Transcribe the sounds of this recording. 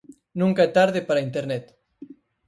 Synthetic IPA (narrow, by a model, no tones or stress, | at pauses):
nũŋkaet̪aɾðepaɾaint̪eɾnɛt̪